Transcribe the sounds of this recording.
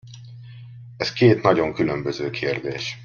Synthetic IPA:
ɛskeːt̪nɒɟo̞ŋkylømbøzøːkʰeːrd̪eːʃ

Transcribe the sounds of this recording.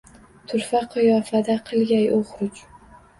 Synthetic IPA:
t̪ʰʊɾfaqʰɨjɒːfad̪aqʰɨlˠɡʲajoχɾʊt͡ʃ

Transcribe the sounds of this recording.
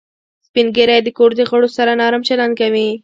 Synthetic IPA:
spinɡeɾajd̪əkoɾd̪əɣəɽosaɾanɑɾamt͡ʃaland̪̚kawi

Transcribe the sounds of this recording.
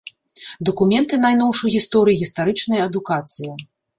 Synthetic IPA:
d̪ɐkumʲɛnt̪ɨnajn̪ɔwʂujɣʲist̪ɔɾɨjiɣʲist̪aɾɨt͡ʂnɐjɐɐd̪ukat̪sɨjɐ

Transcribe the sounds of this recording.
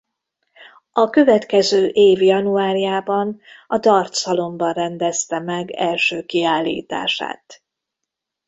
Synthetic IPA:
ɒkøvɛt̪kɛzøːʔeːvjɒnuaːɾijaːbɒnɒd̪ɒrt̪sɒlo̞mbɒnrɛnd̪ɛst̪ɛmɛɡɛ̰lʃøːkiaːlːḭːt̪a̰ːʃa̰ːt̪

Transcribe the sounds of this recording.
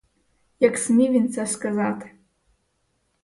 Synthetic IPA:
jaksmʲivʲint͡saskazat̪ʰ

